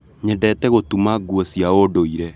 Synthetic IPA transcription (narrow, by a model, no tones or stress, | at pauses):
ɲɛdɛtɛɣotumaɡwɔsiaodoiɾɛ